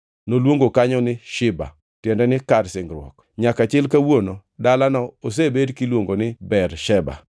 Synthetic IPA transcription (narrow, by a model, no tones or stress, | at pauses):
nolwoŋɡokaɲɔnɪʃɪba̰ | tjɛndɛnɪkarsɪŋɡɾwɔ̰k | ɲakat͡ʃɪlkawonodalanɔos̬ebedkilwoŋɡonɪbɛɾʃɛba̰